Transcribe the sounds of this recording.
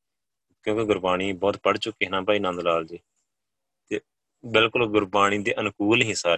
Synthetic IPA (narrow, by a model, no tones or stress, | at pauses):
kjõːkeɡʊɾbaːɽ̃iːbɔːt̪pəɽt͡ʃʊkːiːɦnãːpaːiːnãːnd̪laːld͡ʒeː | t̪eː | bɪlkʊlɡʊɾbaːɽ̃iːd̪eːʔənkuːlɦĩːsaːɾe